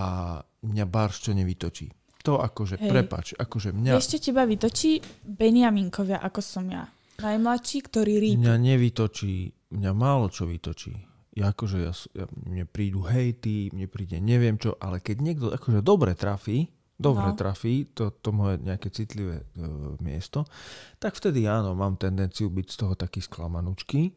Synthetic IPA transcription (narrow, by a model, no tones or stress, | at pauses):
a | mɲabaɾʃt͡ʃɔɲɛʋit̪ɔt͡ʃḭː | t̪ɔakɔʒɛpɾɛpa̰ːt͡ʃʔakɔʒɛmɲaɛʃcɛcɛbaʋit̪ɔt͡ʃiːbɛniamiŋkɔʋɪaʔakɔsɔmja̰ | najmlat̪ʃiːkt̪ɔɾiːɾiːmɲaɲɛʋit̪ɔt͡ʃiː | mɲamaːlɔt͡ʃɔʋḭt̪ɔt͡ʃḭː | jaːkɔʒɛja̰sja̰mɲɛpɾiːd̪uɦɛjt̪imɲɛpɾiːɟɛɲɛʋɪɛmt͡ʃɔ̰ʔa̰lɛkɛɟɲɪɛɡd̪ɔʔakɔʒɛd̪ɔbɾɛt̪ɾafiː | d̪ɔbɾɛt̪ɾafiːt̪ɔt̪ɔmɔjɛɲɛakɛt͡sit̪liʋɛmɪɛ̰st̪ɔt̪akft̪ɛd̪iaːnɔmaːmt̪ɛnd̪ɛnt͡siubicst̪ɔɦɔt̪akiːsklamanut͡ʃki